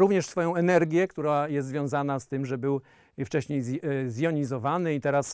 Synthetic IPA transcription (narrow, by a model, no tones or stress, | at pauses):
ɾuvɲɛʂsfɔjɔ̃w̃ɛnɛɾɡʲjɛkt̪uɾajɛst̪zvʲjɔ̃zanast̪ɘmʐɛbɘw | ft͡ʂɛɕɲejzzjɔɲizɔvanɘit̪ɛɾas